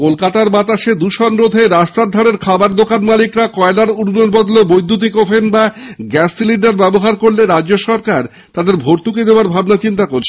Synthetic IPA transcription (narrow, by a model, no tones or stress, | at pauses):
kolkat̪aɾbat̪aʃed̪uʃɔnɾod̪ʱeɾast̪aɾd̪ʱaɽeɾkʰabaɾd̪okanmalikɾakɔelaɾuɾbɾoɾbɔd̪lobojd̪ʱːut̪̬ikofenbaɡɛsːilinɖaɾbɛboɦaɾkoɾleɾad͡ʑːoʃɔɾkaɾ | t̪ad̪eɾbʱoɾt̪uked̪eoaɾbʱabnat͡ɕint̪akoɾt͡ɕʰe